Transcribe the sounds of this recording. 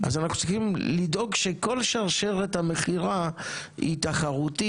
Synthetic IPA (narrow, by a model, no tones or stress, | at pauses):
a̰zanaχnut͡siχimlido̞ɡʃeko̞lʃaʁʃeʁethame̞χiʁahḭtaχaʁuti